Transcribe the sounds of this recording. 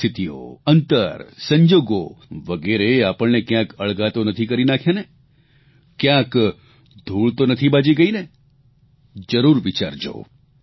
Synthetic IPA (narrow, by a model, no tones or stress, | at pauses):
ɪt̪io̰ənt̪əɾsə̃ɲd͡ʒoːɡo̰ʋəɡeɾeapəɭnekjãkəɭɡat̪onət̪ʰikəɾinakʰjane | kjãːk | d̪ʱuːɭt̪onət̪ʰibad͡ʒiɡəine | d͡ʒəɾuɾʋit͡ʃa̰ːɾd͡ʒo̰ː